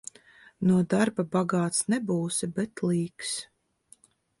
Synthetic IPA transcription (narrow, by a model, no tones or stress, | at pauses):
nuɔd̪aɾbabaɡaːt̪snɛbuːsibɛt̪lˠiːks